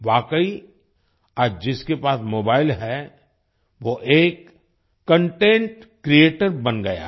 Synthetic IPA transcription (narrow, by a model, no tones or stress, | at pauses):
ʋaːkəi | aːd͡ʒɪskepaːsmoːbaːɪlɦɛ | ʋoʔeːkː | ə̃ɳʈẽːɳʈkɾieːʈəɾbɐnɡɐja̰ː